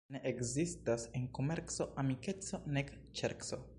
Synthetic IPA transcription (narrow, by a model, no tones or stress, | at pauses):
neʔekzistase̞nko̞me̞ɾt͡so̞ʔamike̞t͡so̞nek | t͡ʃḛɾkso̞̰